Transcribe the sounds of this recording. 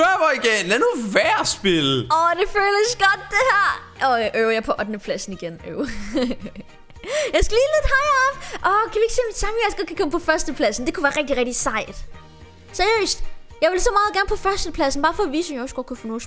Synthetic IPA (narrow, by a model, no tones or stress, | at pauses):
øɐʋɒiɡ̥enænuʋæɐ̰sb̥elɒd̥e̝føːləsɡ̥ɒd̥̚d̥e̝hæɐ̰ʔɒʔøʊɐjɑ̈pʰɒ̽ʔɒ̽d̥nəpʰlæsn̩iɡ̥enoʊ | jɑ̈ɪsɡ̥æliːle̝ð̥ˠhɑɪɐɒfʔɒkʰæʋieɡ̥se̝̰misʰɑmijasɡ̥ɒ̥̽kʰækʰɒ̽məpʰɒ̽fɶɐsd̥əpʰlæsn̩d̥e̝kʰuʋæːɐʁɛɡ̥̚d̥iʁɛɡ̥̚d̥isɑ̈ɪ̰d̥ | sæɐijø̰ːsd̥jɑ̈ɪʋelsɒ̽mɑ̈ːð̞̩ˠɡæɐnpʰɒ̽fɶɐsd̥əpʰlæsn̩b̥ɑ̈ːfɒ̽ːʋḭːsɔmjɒsɡ̥ɒkʰufonɔːs